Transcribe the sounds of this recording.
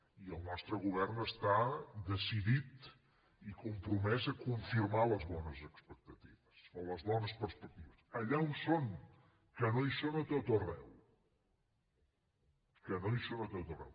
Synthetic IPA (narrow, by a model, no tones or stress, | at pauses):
iəlˠnɔst̪ɾəɣuβ̞ɛrnəst̪ad̪əsiðit̪ | ikumpɾumɛzəkuɱfiɾmaləzβɔnəzəkspək̚t̪ət̪iβəsoləzβɔnəspəɾspək̚t̪iβəsəʎaumsoŋ | kənojsonət̪ot̪ərɛ̰w | kənojsonət̪ot̪ərɛ̰w